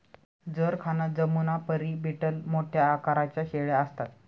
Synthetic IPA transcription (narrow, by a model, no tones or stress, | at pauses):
d͡zəɾkʰanad͡zəmunapəɾibʱiʈəlmoʈʰjaːkaɾat͡ɕjaɕeɭjaəst̪at̪